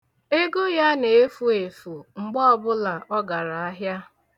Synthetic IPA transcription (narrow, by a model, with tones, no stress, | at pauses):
e˦ɡo˦ja˦ne˨e˦fu˦e˨fu˨ŋ͡m̩˨ɡ͡bɔ˦ɔ˨bʊ˦la˨ʔɔ˦ɡa˨ɾa˨a˦ɦja˦